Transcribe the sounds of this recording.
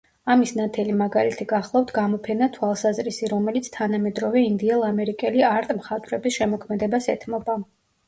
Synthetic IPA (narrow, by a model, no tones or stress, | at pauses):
amisnat̪ʰɛlimaɡalit̪ʰiɡaχlˠaft̪ʰɡamɔpʰɛnat̪ʰwalˠsazɾisiɾɔmɛlit̪sʰt̪ʰanamɛd̪ɾɔvɛind̪iɛlˠamɛɾikʼɛliaɾt̪ʼmχat̪ʼvɾɛbisʃɛmɔkʰmɛd̪ɛbasɛt̪ʰmɔba